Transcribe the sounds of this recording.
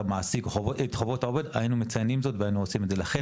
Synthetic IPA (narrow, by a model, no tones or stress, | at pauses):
maːsiɡχoʔetχovo̞thaove̞dainumet͡sajnimzo̞tveainuosime̞dze̞laχe